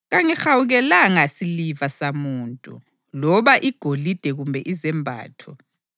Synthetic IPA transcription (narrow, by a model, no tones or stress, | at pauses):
ɣaŋɛxawuɣɛlaŋasilivasamuːntʼṵ | lɔβaʔiɡ̥ʱolid̥ʱɛɣumbʱɛʔizɛmbʱa̰ːtʰɔ